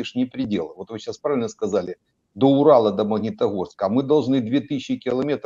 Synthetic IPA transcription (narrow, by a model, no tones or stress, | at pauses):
ɪʂnʲɪpɾʲɪdʲelˠəvo̞t̪vɨɕaspɾavʲɪlʲnəskɐzalʲɪ | d̪oʊɾalˠəd̪əməɣnʲɪt̪ɐɣo̞rskəːmɨd̪ɐlˠʐnɨd̪vʲet̪ɨɕːɪkʲɪlˠɐmʲe̞t̪